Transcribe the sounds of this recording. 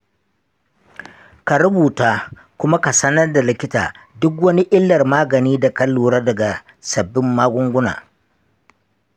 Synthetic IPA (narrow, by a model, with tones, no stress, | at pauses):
ka˨ɾʊ˦buː˨taː˦ | kʷʊ˦ma˦ka˨sɐ˦nɐ˦rda˨lɪ˦kʲɪ˦ta̰ː˨ | dʊ˦k̬wɐ˦ni˦ʔɪ˦lːɐ˨rmaː˦ɡɐ˨niː˦da˨kɐ˦lːuː˨ɽaː˦dɐ˨ɡa˨ | sɐ˨bːɪ˦mːaː˦ɡʷʊ˦ŋɡʷʊ˦na̰ː˨